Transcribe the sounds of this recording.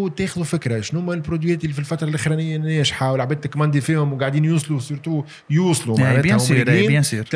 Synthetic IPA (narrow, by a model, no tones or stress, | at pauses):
t̪ɛːxðufɪkɾaʃnhʊmːælpɾod̪wijɛːt̪ɪlːifilfɑt̪ɾˤɑlʔɪxɾɛnɪjːænɛːʃħawəlʕabɛːd̪̚t̪ɪkmɑnd̪ifiːhʊmwɡaʕd̪iːnjuːsˤlusiɾt̪u | juːsˤlumaʕnnɛːhʊmːidiːsiɾ